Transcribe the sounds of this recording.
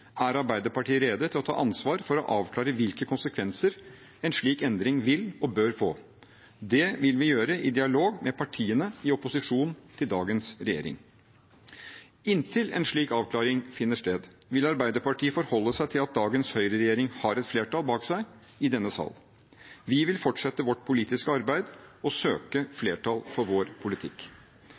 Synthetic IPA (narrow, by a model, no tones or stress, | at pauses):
æɾɑɾbæɪd̪əɾpɑʈʰiːəɾeːd̪ət̪ʰɪlɔt̪ʰɑ̰ːʔɑnsʋɑːɾfɔɾɔ̰ʔɑːʋkʰlɑːɾəʋɪlkəkʰʊnsəkʰʋɛnsəɾ | ɛnʂɭiːkɛnd̪ɾɪŋʋɪlɔbøːɾfoː | d̪ɛʋɪlʋɪjøːɾəʔɪd̪ɪɑloːɡmɛpʰɑʈʰiːənəɪɔpʊsɪʂuːnnt̪ʰɪld̪ɑːɡənsɾɛjḛːɾɪ̰ŋ | ɪnt̪ʰɪlɛ̰nʂɭiːkɑːʋkʰlɑːɾɪŋfɪnːəʂt̪eːd̪ | ʋɪlɑɾbæɪd̪əɾpɑʈʰiːəfɔɾhɔlːəsæɪt̪ʰɪlɑt̪̚d̪ɑːɡənshœʏɾəɾɛjeːɾɪŋhɑɾɛt̪fleːʈɑːlbɑːksæɪ | ɪd̪ɛnːəsɑ̰lː | ʋɪʋɪlfɔʈʂɛt̪ːəʋɔʈpʰʊliːt̪ɪskəɑɾbæɪd̪ɔsøːkəfleːʈʰɑlpʰɔɾʋoːɾpʰʊlɪt̪ʰɪkː